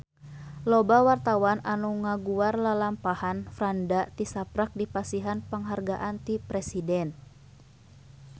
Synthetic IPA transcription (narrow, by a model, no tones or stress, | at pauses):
lɔbawart̪awananuŋaɡuarlalampahanfɾandat̪isapɾak̚dipasiɦanpəŋɦarɡaʔant̪ipɾɛsidɛn